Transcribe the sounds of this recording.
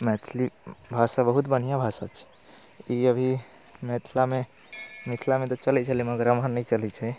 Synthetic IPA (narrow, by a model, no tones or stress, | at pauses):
mɛt̪ʰlibʱasabəɦut̪bən̤ijabʱasat͡ʃʰɛ̥ | iəbʱi | mɛt̪ʰlame | mit̪ʰlamet̪ɔt͡ʃəlɛt͡ʃʰɛleməɡɾəmɦəɾnəit͡ʃəlɛt͡ʃʰɛ